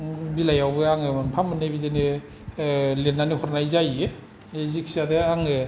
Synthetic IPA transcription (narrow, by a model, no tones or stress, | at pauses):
bilajawbɯaŋɯpʰamɯnebizene | lenːanihɔɾnajzaje | ezikʰi̥sadɯaŋɯ